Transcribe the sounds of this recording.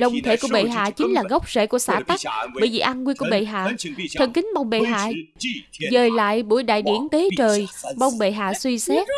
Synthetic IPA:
lə˧wŋ͡mt̪ʰe˧˩ku˧˩əɓḛ˧˨˩ɦa̰ː˧˨t͡ɕï˨˦ŋ̟laː˨˩ɣə˦˥wk͡p̚z̥ḛ˧˥˨ku˧˩əsaː˧˩t̪a˦˥k̚ɓəː˧˩jvḭ˨˩ʔaː˧nkwnku˧˩əɓḛ˧˨˩ɦa̰ː˧˨t̪ʰə˨˧˩ŋkï˨˦ŋ̟ɓa˧wŋ͡mɓe˧˩ɦa̰ː˧˨ | zəː˨˩jla̰ː˧˨jɓu˧˩jɗa̰ː˧˨jɗḭ˧˩ənt̪e˨˦t͡ɕəː˨˩jɓa˧wŋ͡mɓe˨˩ɦa̰ː˧˨swi˧sɛ˦˥t̚

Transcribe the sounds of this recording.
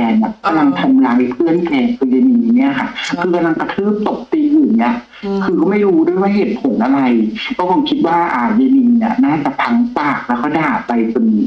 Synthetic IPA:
ɛː˧nɛː˧˨˩kːka˧mla˧ŋt̪ʰa˧mlaː˨˧˥pʰɯ˥˩ənklɛː˧ŋkʰɯː˧jeː˧ni˧ŋ˨ni˦˥˩ɐ˩kʰa˦˥˩kʰɯː˧ka˧mla˧ŋka˧t̪ʰɯː˥˩m̚t̪o˨˩k̚t̪iː˧ʔɯː˨˩nnːi˦˥ɐ | kʰɯː˧kɔː˥˩ma˥˩jɾuː˦˥du˥˩əjwaː˥˩ɦe˨˩t̪̚pʰo˨˩˦nʔa˧ɾa˧jkʰɛ˦˥˩kʰɔ˧˦ŋkʰi˦˥t̪̚waː˥˩ʔaː˨˩je˧ni˧˩ni˦˥˩ɐnaː˥˩t͡ɕa˨˩pʰa˧˥ŋpaː˨˩k̚lɛː˦˥wkɔː˥˩daː˨˩t̚pa˧jpo˧n

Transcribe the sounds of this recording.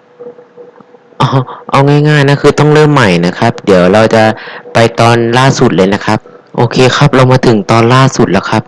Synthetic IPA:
ʔɔː˧˩ʔa˧wŋaː˥˩jŋaː˥˩jna˧˥˨kʰɯː˧t̪ɔ˥˩ŋɾɤː˥˩mːa˨˩jna˦˥kʰa˦˥p̚di˩˦əwɾa˧wt͡ɕa˨˩ʔpa˧jt̪ɔː˧nlaː˥˩su˨˩t̪̚lɤː˧jna˦˥kʰa˦˥p̚ | ʔoː˧kʰeː˧kʰa˦˥p̚ɾa˧wmaː˧t̪ʰɯ˩˦ŋt̪ɔː˧nlaː˥˩su˨˩t̪̚la˦˧˩wkʰa˦˥p̚

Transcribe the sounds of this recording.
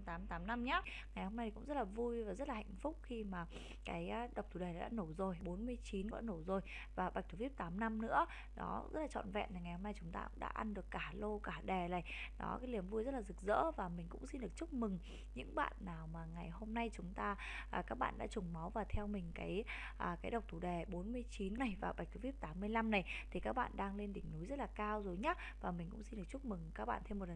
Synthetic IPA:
t̪aː˨˦mt̪aː˨˦mna˧mɲaː˦˥ | ŋa˨˩jho˧mna˧jʰkʊ̰˧˥ŋ͡mzə˦˥t̚laː˨˩vu˧jvaː˨˩zə˦˥t̚la˨ha˧˨jŋ̟fʊ˦˥k͡p̚xi˧maː˨˩ | kaː˨˦jɗə˨˩w̚t̪ʰu˧˩ɗe˨˩na˨˩ɗa̰ː˧˥no˧˩zo˨˩jɓo˨˦nmɨ˧əjt͡ɕi˨˦nkɔ̰˨˧˦no˧˩zo˨˩j | vaː˨˩ɓa˨˩k̚t̪ʰu˧˩vi˦˥p̚t̪aː˨˦mna˧mnɨ̰˧˥ə | ɗɔ̰˨˦zə̰˦˥t̚la˨t͡ɕɔ̰˧˨nvɛ̰˧˨nt̪ʰŋa˨˩jho˧mna˧jt͡ɕʊ˨˦ŋ͡mt̪a̰ː˧kʊ̰˧˥ŋ͡mɗa̰ː˧˥ʔa˧nɗɨ˨˩əkːaː˧˩lo˧kaː˧˩ɗɛ˨˩laː˨˩jɗɔ̰˨˦kaː˨˦jli˨˩əmvu˧jzə˦˥t̚laː˨zɨ˨˩k̚zə̰ː˧˥vaː˨˩mï˨˩ŋ̟kʊ̰˧˥ŋ͡msi˧nɗɨ˨˩ək̚t͡ɕʊ˦˥k͡p̚mɨ˨˩ŋ | ɲɨ̰˧˥ŋɓa̰ː˧˨nːaː˨˩wmaː˨˩ŋa˨˩jho˧mna˧jt͡ɕʊ˨˦ŋ͡mt̪aː˧ | ʔa˨˩kaː˦˥k̚ɓa̰ː˧˨nɗa̰ː˧˥t͡ɕʊ˨˩ŋ͡mma˨˦wvaː˨˩t̪ʰɛ˧wmï˨˩ŋ̟kaː˨˦j | ʔəː˨˩kaː˨˦jɗə˨˩wk͡p̚t̪ʰu˧˩ɗe˨˩ɓo˨˦nmɨ˧əjt͡ɕi˨˦nːa˨˩jvaː˨˩ɓa˨˩j̚k̚k̪ɨ˨˦vi˦˥p̚t̪aː˨˦mːɨ˧əjla˧mna˨˩jt̪ʰi˨˩kaː˦˥k̚ɓa̰ː˧˨nɗaː˧ŋle˧nɗï˧˩ŋ̟nu˨˦jzə˦˥t̚laː˨˩kaː˧wzo˨˩jɲa˦˥ | vaː˨˩mï˨˩ŋ̟kʊ̰˧˥ŋ͡msi˧nɗək̚t͡ɕʊ˦˥k͡p̚mɨ˨˩ŋkaː˦˥k̚ɓa̰ː˧˨nt̪ʰe˧mːo˨˩t̚lə˨˩

